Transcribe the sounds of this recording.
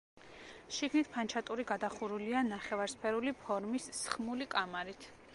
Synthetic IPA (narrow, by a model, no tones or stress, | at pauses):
ʃiɡnit̪ʰpʰant͡ʃʰat̪ʼuɾiɡad̪aχuɾulianaχɛvaɾspʰɛɾulipʰɔɾmisːχmulikʼamaɾit̪ʰ